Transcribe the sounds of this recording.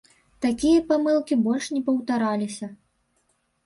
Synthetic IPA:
t̪akʲijɐpamɨlˠkʲibɔlʲʂnʲɛpɐwt̪aɾalʲisʲɐ

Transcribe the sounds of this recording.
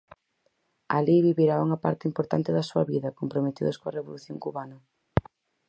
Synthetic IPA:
aliβiβiɾauŋɐpa̰ɾt̪ɪimpoɾt̪a̰nt̪ɪðɐsuɐβiðɐkompɾomet̪ḭðʊskoɐreβoluθjoŋkuβanɐ

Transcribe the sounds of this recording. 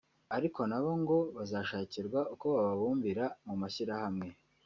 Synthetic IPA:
aɾiko̞naβo̞ŋɡo̞βazaːʃaːciɾɡwauko̞βaβaβuːɱviɾamumaçiɾahamŋe̞

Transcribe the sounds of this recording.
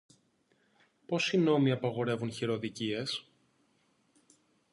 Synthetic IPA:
po̞sino̞miɐpɐɣo̞ɾe̞vunçiɾo̞ðicie̞s

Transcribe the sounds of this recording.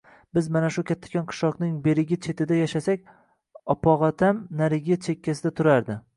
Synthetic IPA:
bɪzmanaʃʊkʲʰat̪ʰːḁkʲʰɒnqʰɨ̥ʃɒqnɪŋbe̞ɾɪɡʲɪt͡ʃʰe̞t̪ʰɪd̪ajaʃasakʲ | ɒpʰɒʁat̪ʰamnaɾɪɡʲɪt͡ʃʰe̞kʲʰːasɪd̪at̪ʰʊɾaɾd̪ɪ

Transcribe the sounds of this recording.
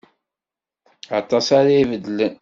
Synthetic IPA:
ɑt̪ˤːɑsaɾaivəd̪ːələn

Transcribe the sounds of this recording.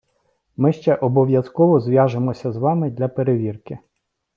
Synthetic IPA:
mɪʃt͡ʃɛʔɔbɔʋjɐskɔʋɔzʋʲjɑʒemɔsʲɐzʋɑmɪd̪ʲlʲɐpeɾeʋʲirkɪ

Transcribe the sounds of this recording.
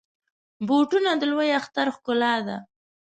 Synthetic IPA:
boʈunad̪əlwəjaxt̪aɾxkʊlɑd̪a̰

